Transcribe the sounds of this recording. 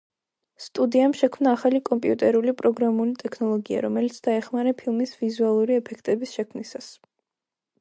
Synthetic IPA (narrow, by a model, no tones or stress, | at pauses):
st̪ʼud̪iamʃɛkʰmnaːχalikʼɔmpʼiut̪ʼɛɾulipʼɾɔɡɾamulit̪ʼɛkʰnɔlˠɔɡia̰ɾɔmɛlit̪sʰd̪aɛχmaɾɛpʰilˠmisvizualˠuɾiɛpʰɛkʰt̪ʼɛbisʃɛkʰmnisas